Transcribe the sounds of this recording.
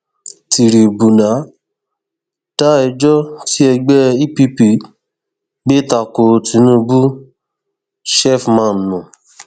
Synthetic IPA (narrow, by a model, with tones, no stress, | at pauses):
ti˨ɾi˨bu˨nã˨˦ | d̥a˦ɛ˧d͡ʒɔ˦ti˦ɛ˧ɡ͡bɛ˦i˦pi˦pi˧˨ | ɡ͡be˦ta˨ko˧ti˨˦nũ˦˧bu˦ | ʃɛ˦˨fmã˦˨nũ˨